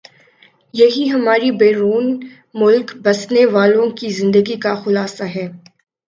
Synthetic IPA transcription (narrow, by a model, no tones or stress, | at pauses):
jɐɦiɦɐmaːɾibɛːɾuːn | mʊlkbɐsneʋaːlõkizɪ̃nd̪əɡikaxʊlaːsaɦɛː